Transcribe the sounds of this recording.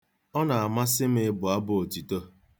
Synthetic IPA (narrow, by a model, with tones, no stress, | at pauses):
ɔ˦na˨a˨ma˦sɪ˦m̩˦ɪ˦bʊ˨a˦bʊ˦o˨ti˨to˦